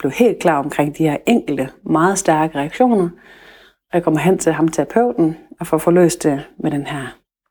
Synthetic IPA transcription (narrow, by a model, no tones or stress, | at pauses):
b̥le̝ʊhe̝̰ːld̥̚kʰlɑ̰̈ːɒ̽mkʰʁeŋ̰d̥ihæɐ̰ʔeŋ̰ɡ̥l̩d̥əmɑ̈ːð̞̩ˠsd̥æɐɡ̥əʁɛɑɡ̥ɕo̝̰ːnɐ | ɒjɑ̈kʰɒ̽mɐɦen̰t͡sʰe̝lɦɑ̈mt͡sʰepʰøʊ̰d̥n̩ɒ̽fɒfɒ̽lø̰ːsd̥emeɾ̥enhæɐ̰